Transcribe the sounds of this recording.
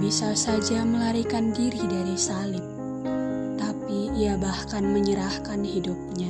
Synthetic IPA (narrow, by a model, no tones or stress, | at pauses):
bisasad͡ʒaməlaɾikandiɾidaɾisalɪp̚ | t̪apiːabahkanməɲəɾahkanhidup̚ɲa